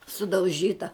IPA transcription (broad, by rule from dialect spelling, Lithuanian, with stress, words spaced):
sʊdɐʊˈʒʲiːtɐ